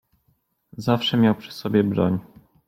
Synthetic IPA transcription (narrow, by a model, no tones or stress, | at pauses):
zafʂɛmʲjawpʂɛ̥sɔbʲjɛbɾɔ̰ɲ